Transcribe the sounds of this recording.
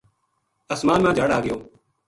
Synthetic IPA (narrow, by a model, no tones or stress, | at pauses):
əsmaːnmãːd͡ʒaːɽaːɡɪjoː